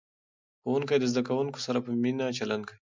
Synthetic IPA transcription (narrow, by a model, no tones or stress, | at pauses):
xowuŋkajd̪əzd̪akawuŋko̥saɾapəminat͡ʃalandkəi